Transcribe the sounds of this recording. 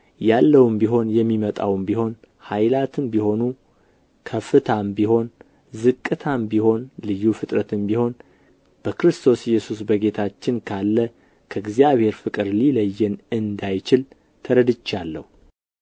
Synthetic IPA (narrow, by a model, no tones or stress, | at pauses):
jalːəwɨmbiɦo̞njɛmːimət̪ʼa̰wmbiho̞n | hajlat̪ʰɨmbiho̞nu | kʰəfɨt̪ʰambiho̞n | zɨkʼːɨt̪ʰambiho̞nlɨjːufɨt̪ʼɾət̪ʰɨmbiho̞n | b̥əkɾɨst̪ʰo̞sjːɛsus̬bəɡe̞t̪ʰat͡ʃːɪnkʰalːə | kʰəɡzijaβhe̞ɾfɨkʼɨɾliləjːɨnɨnd̪ajt͡ʃɪl | t̪ʰəɾəd̪ɨt͡ʃːalːə̰hu